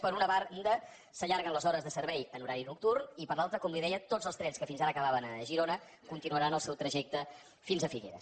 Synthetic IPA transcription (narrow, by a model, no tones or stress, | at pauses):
pəɾunəβarnd̪ə | səʎaɾɣənləzɔɾəzðəsəɾβɛjənuɾaɾinuk̚t̪urnipəɾlˠalˠt̪ɾəkɔmliðɛjət̪od͡zəlˠst̪ɾɛnskəfinzaɾəːkəβaβənəʒiɾonə | kunt̪inuəɾanəlˠsɛwt̪ɾəʒɛk̚t̪ə | finzəfiɣḛɾə̰